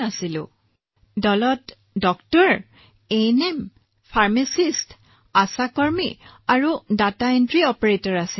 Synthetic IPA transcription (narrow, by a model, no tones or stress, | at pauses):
asilʊ̰̃ | dɔlɔt | dɔktɔɹ | enem | pʰaɹmesist | asakɔɹmḭaɹudataentɹiɔpɔɹetɔɹasi